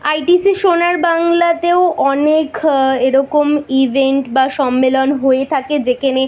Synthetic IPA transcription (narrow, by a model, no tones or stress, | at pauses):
ajʈisiʃonaɾbaŋlat̪eoʔɔnekeɾɔkomibʱeɳʈbaʃɔmːelonɦoet̪ʰaked͡ʑekʰane